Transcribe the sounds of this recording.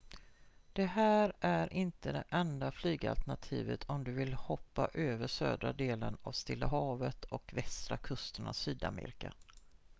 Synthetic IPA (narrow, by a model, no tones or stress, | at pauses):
d̪̥ɛɦæːɾʔæɾʔɪnt̪əd̪ɛʔɛnd̪aflyːɡa̰lt̪əɳat̪ʰiːvət̪ʰɔmd̪ɵvɪlhɔpːaʔøːvəʂø̰ːd̪ɾad̪eːlənavst̪ɪlːaɦɑːvət̪ʰɔkvɛst̪ɾakʰɵst̪əɳasyːd̪amḛːɾɪka